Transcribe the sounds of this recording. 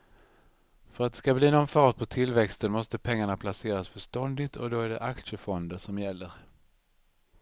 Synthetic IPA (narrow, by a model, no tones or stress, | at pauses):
fœɾat̪d̪ɛ̥skabliːnɔnfɑːʈ̪̚pʰɔt̪ʰɪlvɛkst̪ənmɔst̪əpʰɛŋːaɳapʰlaseːɾasfœʂt̪ɔnd̪ɪt̪ʰɔ̰d̪oæɖɛ̰ʔakʂəfɔnd̪əʂɔmjɛlːəɾ